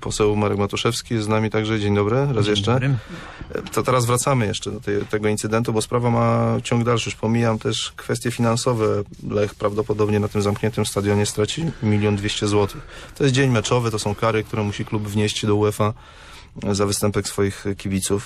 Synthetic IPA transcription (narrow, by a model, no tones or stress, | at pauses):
pɔsɛwmaɾɛɡmat̪uʂɛfskʲijɛst̪znamʲit̪aɡʐɛd͡ʑeɲd̪ɔbɾɘɾasjɛʂt͡ʂɛ | t̪ɔt̪ɛɾazvɾat̪samɘjɛʂt͡ʂɛd̪ɔt̪ɛt̪ɛɡɔint̪sɘd̪ɛnt̪ubɔspɾavamat͡ɕɔ̃ŋɡd̪alʂɨxpɔmʲijamt̪ɛʂkfɛst̪ʲjɛfʲinansɔvɛlɛxpɾavd̪ɔpɔd̪ɔbɲɛnat̪ɘmzamkɲɛnt̪ɘmst̪ad̪ʲjɔɲɛst̪ɾat͡ɕimʲilʲjɔnd̪vʲjeɕt͡ɕɛzwɔt̪ʰɘxt̪ɔjɛst̪d͡ʑeɲmɛt͡ʂɔvɛt̪ɔsɔ̃w̃kaɾɘk̚t̪uɾɛmuɕiklubvɲeɕt͡ɕd̪ɔuɛfa | zavɘst̪ɛmpɛksfɔjixkʲibʲit̪suf